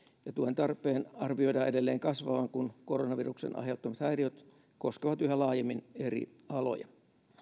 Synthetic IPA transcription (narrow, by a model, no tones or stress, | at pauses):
jɑt̪uohent̪ɑrpˑeːnɑrʋioidɑʔedelːeːŋkɑsʋɑʋɑŋkunkoronɑʋiruksḛnʔɑ̰ɦeut̪ːomɑt̪hæiriot̪ | koskeʋɑt̪yɦælɑːjemːinerḭ | ɑlo̰jɑ̰